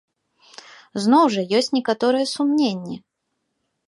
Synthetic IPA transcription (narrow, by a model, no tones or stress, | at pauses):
znɔwʐɐjɔsʲt͡sʲnʲɛkat̪ɔɾɨjɛsumnʲenʲːɛ